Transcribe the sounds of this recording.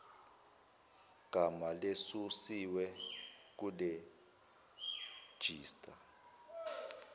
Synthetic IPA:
ɡ̥ʱamalesusiwɛk̬ule | d̥ʒ̥ʱiːstʼa

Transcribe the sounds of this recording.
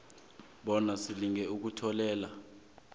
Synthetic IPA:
ɓɔnasiliŋɛuk̬utʰɔlɛːla

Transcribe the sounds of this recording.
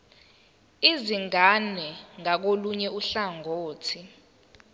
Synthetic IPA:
iziŋanɛŋak̬oluɲɛuɬaŋʱoːtʰi

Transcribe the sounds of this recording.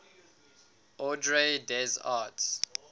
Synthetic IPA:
ɔdɹedɛzats

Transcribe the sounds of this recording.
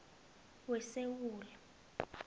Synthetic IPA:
wɛsewuːla

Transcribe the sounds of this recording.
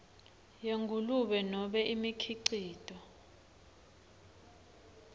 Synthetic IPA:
jeŋɡʱuluɓɛnɔɓɛʔimikʰiǀiːd̥ʱɔ

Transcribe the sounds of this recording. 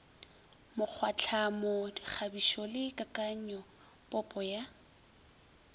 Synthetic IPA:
mʊk͡xʰwat͡ɬʰamɔdik͡xʰabiʃɔlɪkʼakʼaɲɔ | pʼɔpʼɔja

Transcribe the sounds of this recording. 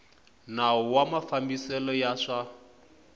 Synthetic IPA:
naɔwamafambisɛlɔjaʂa

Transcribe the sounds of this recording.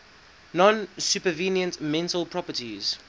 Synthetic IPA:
nɔ̃nsjupəvinjə̃ntmɛ̃ntəlpʰɹɔpətiz̥

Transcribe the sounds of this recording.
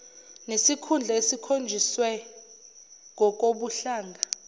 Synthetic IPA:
nesikʰund͡ɮʱaesikʰond͡ʒʱiswɛ | ŋʱɔk̬ʼoɓuɬaːŋɡʱa

